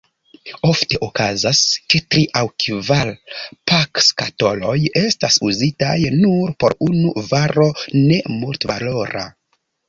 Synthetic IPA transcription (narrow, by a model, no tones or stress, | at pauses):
o̞fte̞ʔokazasketɾiʔawkvalpakskato̞lo̞je̞stasuzitajnuɾpo̞̰ɾunuvaɾo̞ne̞multvalo̞ɾa̰